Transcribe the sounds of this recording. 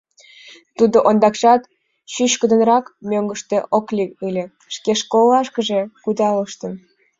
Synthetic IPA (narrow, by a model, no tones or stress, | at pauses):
t̪ud̪oʔond̪ɑkʃɑt̪ | ɕyɕkə̆d̪ə̆nrɑkmʲøŋɡəʃt̪eʔoklʲikɯlʲĕ | ʃkeʃkolːɑʃkəʒe̽kud̪ɑləʃt̪ən